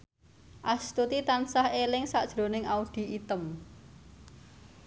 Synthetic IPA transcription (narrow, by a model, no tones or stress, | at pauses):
ʔast̪ut̪it̪ansahelɪŋsaʔd̥ʒ̥ɾo̤nɪŋauɖ̪̥i̤it̪əm